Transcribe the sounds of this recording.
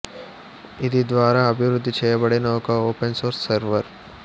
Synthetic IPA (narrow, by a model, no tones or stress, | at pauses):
id̪id̪ʋaːɾaːɐbʱiʋɾud̪ʱːit͡ʃɛːjɐbɐɽinɐɔkɐoːpensoːɾsːɐɾʋɐɾ